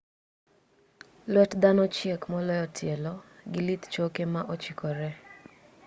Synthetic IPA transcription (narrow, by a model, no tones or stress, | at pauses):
lwɛtd̪anɔt͡ʃekmɔlɔjɔtʰjelɔɡɪlit̪t͡ʃokemaʔot͡ʃikɔɾɛ